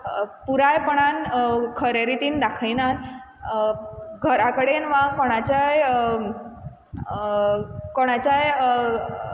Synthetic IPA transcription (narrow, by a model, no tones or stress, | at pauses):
puɾajpəɽ̃ankʰəɾeɾit̪iːnd̪akʰajnan | ɡʱəɾakəɽenʋãkɔɽ̃at͡ɕaj | kɔɽ̃at͡ɕaj